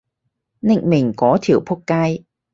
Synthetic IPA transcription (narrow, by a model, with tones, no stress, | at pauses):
na̰˧˨ŋmï˨˩ŋ̟kɔ˨˦t̪ʰi˧˩əwpʰu˧˥kkaː˧j